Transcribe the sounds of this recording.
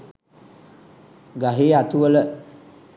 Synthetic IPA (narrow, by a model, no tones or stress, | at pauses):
ɡaɦiːat̪uʋələ